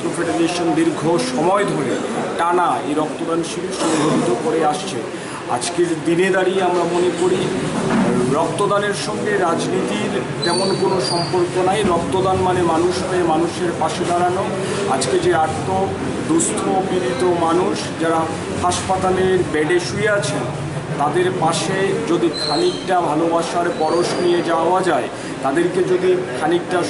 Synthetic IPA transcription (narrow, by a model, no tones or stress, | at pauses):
ɾofeɖeɾeʃond̪iɾɡʱoʃɔmɔed̪ʱoɾe | ʈanaḛjɾɔk̚t̪od̪anʃiɾiʃɔobʱoɾit̪okoɾeaʃt͡ɕʰḛ | a̰d͡ʑkeɾd̪ined̪aɾiamɾamonekoɾi | ɾɔk̚t̪od̪aneɾʃɔŋɡeɾad͡ʑnit̪iɾ | t̪ɛmonkonoʃɔmpoɾkonajɾɔk̚t̪od̪anmanemanuʃmemanuʃeɾpaʃed̪aɾano | a̰d͡ʑked͡ʑeɾaɾt̪o | d̪ust̪ʰobibʱit̪omanuʃd͡ʑaɾa | haʃpat̪aleɾbɛɖeʃueat͡ɕʰe | t̪ad̪eɾpaʃed͡ʑod̪ikʰanik̚ʈabʱalobaʃaɾpɔɾoʃnied͡ʑaoad͡ʑae | t̪ad̪eɾked͡ʑod̪ikʰanik̚ʈa